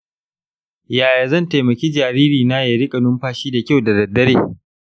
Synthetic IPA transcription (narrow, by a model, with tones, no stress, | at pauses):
jaː˨ja˨zɐ˦˨nta˨jmɐ˨kʲiː˦d͡ʒaː˨ɾiː˦ɾiː˨naː˦ja˨ɾɪ˦kʼɐ˨nʊ˦mɸaː˦ʃiː˦da˨kʲa˦˨wda˨dɐ˨dːɐ˦ɾeː˦˨